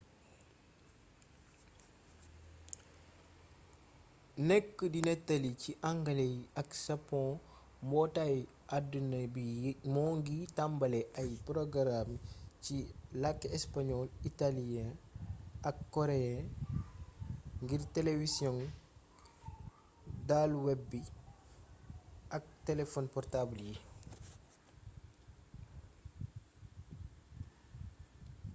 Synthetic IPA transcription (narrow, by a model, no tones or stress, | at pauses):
nɛkːədinɛtːaliciʔaŋɡɐleɐksɐpːɔ̃ | mbɔtaj | ʔadunɐbimɔːŋɡitambɐlɛʔɐjpɾɔɡɾamcilakːɛspaɲɔlitalijɛ̃ | ɐkːɔɾɛã | ŋɡirtɛlevisjɔŋ | dalwɛbːi | ʔɐk̚tɛlɛfɔnpɔrtablji